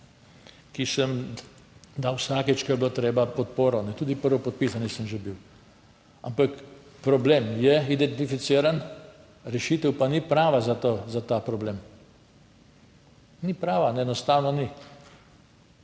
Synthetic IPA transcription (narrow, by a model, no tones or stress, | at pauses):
kisəm | d̪awsakɛt͡ʃkɛɾblot̪ɾeːbapɔt̪poːɾɔnɛt̪uːd̪ipəɾʋɔpɔt̪̚pisanɛsəmʒebiw | a̰mpak | pɾɔbleːmjɛid̪ɛnt̪ifit̪siːɾan | ɾɛʃit̪əwpanipɾaːʋazat̪ozat̪aːpɾɔbleːm | nipɾaːʋanɛɛnɔst̪aːwnɔni